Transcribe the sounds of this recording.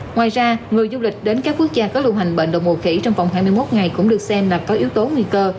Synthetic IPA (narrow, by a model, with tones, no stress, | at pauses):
ŋwaː˨˩jzaː˧ŋɨ˨˩əjzu˧lï˨˩k̟̚ɗe˨˦nkaː˦˥k̚ːu˦˥ək̚zaː˧kɔ˨˦lu˧wɦa˨˩ŋ̟ɓḛ˧˨nɗə̰˧˨wŋ͡mɓo˨˩xḭ˧˩t͡ɕɔ˧wŋ͡mva˨˩wŋ͡mhaː˧jmɨ˧əjmo˦˥t̚ŋa˨˩jkʊ̰˧˥ŋ͡mɗɨ˨˩ək̚sɛ˧mlaː˨˩kɔ˨˦ʔi˨˦əwt̪o˨˦ŋwi˧kəː˧